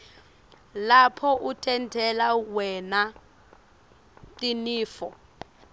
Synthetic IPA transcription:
lapʰɔʔutʰɛntʰɛlawɛna | tʼiniːfɔ

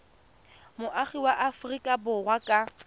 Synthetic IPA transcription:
mʊʔaχiwaʔafrikʼabʊrwakʼa

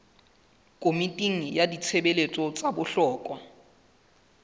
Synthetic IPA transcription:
kʼomitʼiŋ̩jadit͡sʰebelet͡sʼɔt͡sʼabʊɬɔːkʼwa

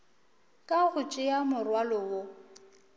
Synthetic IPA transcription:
kʼaɣʊt͡ʃʼɪjamʊrwalɔwo

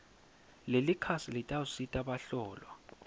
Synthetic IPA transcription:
lelikʰasilitʼausitʼaɓaɬɔːlwa

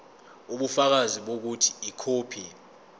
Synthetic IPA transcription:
uɓufak̬aziɓok̬utʰi̥ːkʰoːpʰi

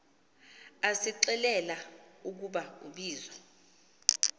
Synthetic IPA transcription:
asiǀɛlɛlauk̬uɓauɓiːzɔ

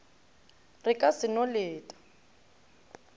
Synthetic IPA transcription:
rɪkʼasɪnɔleːtʼḁ

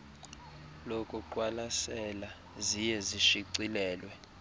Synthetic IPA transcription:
lokʼuǃwalasɛla | zijɛziʃiǀilɛːlwɛ

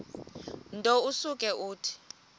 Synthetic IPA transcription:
ntʼousuk̬ʼɛʔuːtʰi̥

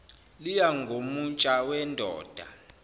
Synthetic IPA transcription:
lijaŋɡʱomut͡ʃʼawɛndʱɔ̰ːd̥ʱa̰

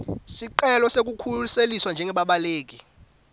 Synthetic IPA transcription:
siǃɛlɔsek̬ukʰuseliswand͡ʒʱɛŋʱɛɓaɓaleːk̬i

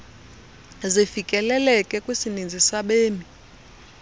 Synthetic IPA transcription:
zifikʼɛlɛlɛkʼɛkʼwisinind͡zʱisaɓeːmi

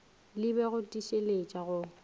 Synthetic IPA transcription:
lɪbɛɣʊtʼiʃelet͡ʃʼaɣʊ

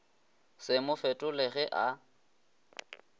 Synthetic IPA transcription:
sɪmʊfɛtʼʊlɪɣɛʔa

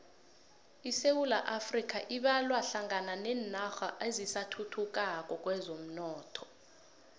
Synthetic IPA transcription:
isewula̰ʔafrik̬ʰʼaʔiɓalwaɬaŋananɛnaxaʔezisatʰutʰuk̬ʼak̬ʼɔk̬ʼwɛzom̩nɔːtʰɔ̥

